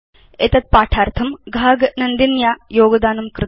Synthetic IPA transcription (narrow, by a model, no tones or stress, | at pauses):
et̪ɐt̪̚paːʈʰaːɾt̪ʰɐmɡʱaːɡnɐnd̪injaːjoːɡɐd̪aːnumkɾɨ